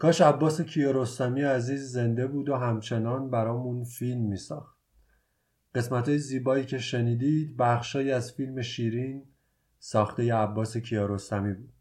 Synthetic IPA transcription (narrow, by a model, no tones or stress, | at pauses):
kʰɒːʃæbːɒːse̞cʰijɒːɾost̪æmijeæziːzːe̞nd̪e̞buːd̪oɦæmt͡ʃʰe̞nɒːnbæɾɒːmunfilmːiːsɒːxt̪ | ɢe̞smæt̪ʰhɒːjeziːbɒːiːcʰe̞ʃe̞niːd̪id̪bæχʃɒːjiːæzfiːlme̞ʃiːɾiːn | sɒːxt̪eje̞æbːɒːse̞cʰijɒːɾost̪ɒmiːbuːd̪̥